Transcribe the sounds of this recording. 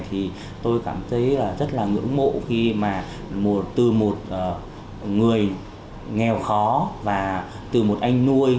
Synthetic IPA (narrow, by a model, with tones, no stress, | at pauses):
t̪ʰi˨˩ | t̪o˧jkaː˧˩mt̪ʰə˨˦jlaː˨˩zə˦˥t̚laː˨˩ŋɨ̰˧˥əŋɓo̰˧˨xi˧maː˨˩ | mo˨˩t̚t̪ɨ˨˩mo˨˩t̚ʔː | ŋɨ˨˩əj | ŋɛ˨˩wxɔ˨˦vaː˨˩ | t̪ɨ˨˩mo˨˩t̚ʔa˧jŋ̟nu˧əj